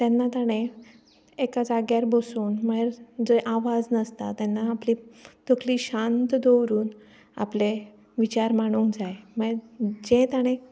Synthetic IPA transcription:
t̪ɛnːat̪aɽ̃e | ekad͡zaɡjaɾbosuːnməɾd͡zəʔaʋad͡znəst̪at̪ɛnːaːplit̪okliːɕant̪d̪owɾuːn | a̰ple | ʋit͡ɕaɾmaɽ̃uːnd͡zajməd͡ʑẽt̪aɽ̃ẽ

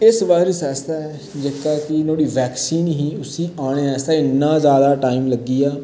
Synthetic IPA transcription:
ɪsʋaːiːsjaːst̪aːɛː | d͡ʒeːkaːkɪnoːɽiːʋɛːksiːnɦiːʊsiːaːɽ̃eːɛːst̪aːɪnːãːzjaːd̪aːʈaːimləɡiːaː

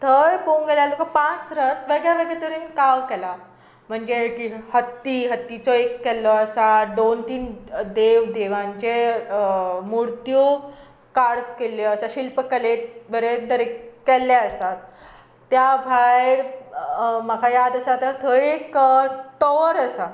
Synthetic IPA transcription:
t̪ʰəjkoŋɡeljalokəpãt͡sɾət̪ʋeɡɭjaʋeɡɭat̪əɾiːnkawkɛla | m̤əɳd͡ʑekihət̪ːiɦət̪ːit͡sɔekːɛlɔəsad̪ont̪iːnd̪eʋd̪eʋãɲt͡ɕe | muɾt̪jo | kaɽkeləsaɕilpəkəleʈ̚bəɾed̪əɾekkːɛlːaəsat̪ː | jabʱajɽ | məkʰajad̪əsat̪əɾt̪ʰəekʈɔʋɾəsa

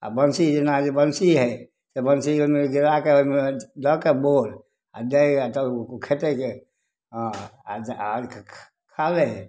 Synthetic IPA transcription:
a̰bənsid͡ʒenad͡ʒebənsiɦɛ | sebənsiomeɡiɾakeoimed̪ɔkeboɾ | a̰d̪əat̪əkokʰet̪eke | ɦ | ak | kʰale

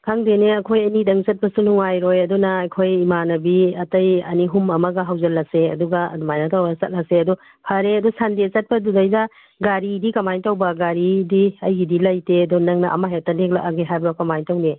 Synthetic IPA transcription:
kʰaŋdeneɐkʰojɐnidɐŋt͡ʃɐt̚pɐsunuŋajɾojɐdɔnɐːjkʰojimanɐbiɐtɐjɐniɦumɐmɐɡɐɦɐwzɐlːɐseɐ̰duɡɐɐ̰dumajnatawbasɐt̚laseɐdɔ | pʰɐɾeɐdɔsandet͡ʃɐt̚pɐdudɐjda | ɡaɾidikɐmajntawbɐɡaɾidiɐjɡidilɐjteɐdɔnɐŋnɐʔɐ̰maɦetɐleklaʔaɡeɦajbjɔkɐmajntɐwne

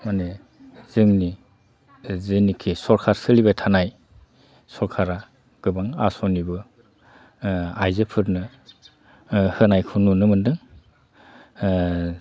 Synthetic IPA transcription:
mane | z̥ɯŋni | zɯnikʰisɔɾkʰaɾsɯlibajtʰanaj | sɔɾkʰaɾa | ɡ̥ɯbaŋasɔnibɯ | ajzɯpʰɯɾnɯ | hɯnajkʰununɯmɯndɯŋ

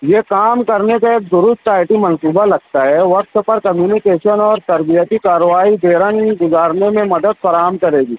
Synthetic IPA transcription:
jeːkaːmkɐɾnekaeːk̚d̪ʊɾʊst̪aːɪʈimɐ̃nsuːbalɐɡ̚t̪aɦɛʋɐk̚t̪pɐɾkɐmjuːnɪkeːʃənɔːɾt̪ɐɾbijət̪ikaːɾəʋaːid̪eːɾãnkiɡʊzaːɾnemẽmɐd̪əd̪̚fʰɐɾaːɦəmkɐɾeːɡiː

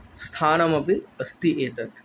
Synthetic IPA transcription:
st̪ʰaːnɐmɐpiɐst̪iʔeːt̪ɐt̪

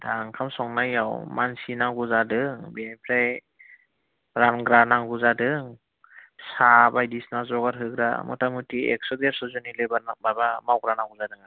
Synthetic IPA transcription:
daŋkʰamsɔŋnajawmansinaŋɡuzadɯŋbenipʰɾaj | ɾanɡɾanaŋɡuzadɯŋ | sabajdisnazɔɡaɾɦɯɡɾa̰mɔ̰tamutʰiḛk̚sɔdeɾsɔzunilɯbababamawɡɾanaŋɡuzadɯŋa

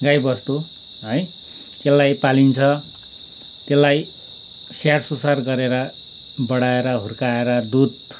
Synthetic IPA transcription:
ɡajbʌst̪u | ɦʌj | t̪elːajpalint͡sʰʌ | t̪elːaj | sarsusarɡʌɾeɾʌ | bʌɽaeɾʌɦurkaeɾʌd̪ud̪̚

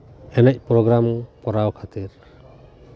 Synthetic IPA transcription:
ɛnɛc̚pɾɔɡɾampɔɾawkʰat̪iɾ

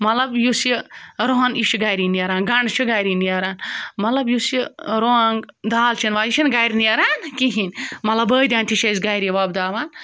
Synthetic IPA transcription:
mɐlɐbjusiɾoɦɐniʃʰuɡajɾiniɐɾaːnɡɐɳɖt͡ʃʰiɡajɾinijɐɾaːnmɐt̪lɐbjusiɾoŋɡd̪aːlt͡ʃʰinʋaːit͡ʃʰinɡajɾiniɐɾaːnkiɦinʲmɐt̪lɐbəːd̪ʲaːnt̪ʰiʃɐzɡajɾiʋɐbd̪aːʋaːn

